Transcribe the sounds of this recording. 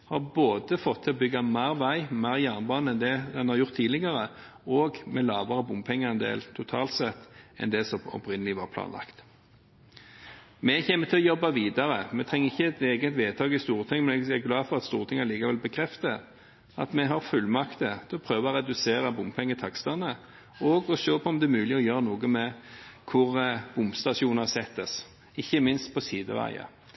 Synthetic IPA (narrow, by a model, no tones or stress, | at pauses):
hɑʁboːd̪əfɔt̪ʰːɪlɔbʏɡɑmæːɾʋæɪmæːʁjæːʁnbɑːnəɛnd̪ɛd̪ɛnhɑɾjʊʁt̪ʰːiːlɪɡɑʁə | ɔːɡmɛlɑːʋəɾəbʊmpʰɛŋːəʁɛnd̪ḛːlt̪ʰʊt̪ʰɑːlt̪sɛt̪ːɛ̰nd̪ɛsɔmɔ̰pɾɪnəlɪʋɑɾpʰlɑ̰ːnlɑ̰kt̪ | mɛçɛːmət̪ʰɪlɔjɔbːɑʋiːd̪ɑɾəmɛt̪ʰʁɛŋːəɪçːəɛt̪eːɡət̪ʋeːt̪ʰɑːɡɪst̪uːʁt̪ʰɪŋmɛnɛæɡlɑːfɔʁɑt̪st̪uːʁt̪ʰɪŋːɑliːkɑʋɛlbəkʰɾɛft̪ə | ɑt̪mɛɦɑɾfʉlmɑkt̪ət̪ʰɪɔpʰɾøːʋɑɔʁɛd̪ʉseːɾɑbʊmpʰɛŋːət̪ʰɑkst̪ɑnə | ɔɡɔʃøːpʰɔɔmd̪ɛmʉːlɪɔjøːʁənuːɡəmɛkʰʊʁb̥ʊmbst̪ɑʂuːnɑsɛt̪ːəs | ɪçːəmɪnst̪pʰɔsiːd̪ə̰ʋæ̰ɪə̰